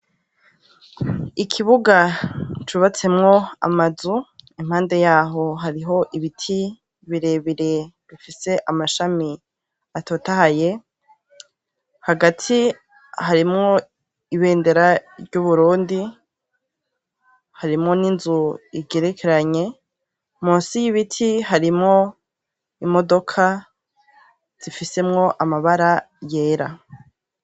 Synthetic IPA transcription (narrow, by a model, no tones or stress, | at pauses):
ikʰiβuɡat͡ʃuβat͡se̞mŋo̞a̰mazuim̥haːnde̞jaːɦo̞ɦaɾiɦo̞ʔiβitʰi | βiɾe̞βiɾe̞βifise̞ʔamaʃami | atoːtahaje̞ | haɡatʰi | haɾimŋo̞ | iβe̞ːnde̞ɾaɾɟuβuɾuːndi | haɾimŋo̞ninzuiɡe̞ɾekʰe̞ɾaɲe̞ | muːnsijiβitʰihaɾimŋo̞ | imo̞do̞kʰa | z̥ifise̞mŋo̞ʔamaβaɾa | je̞ːɾa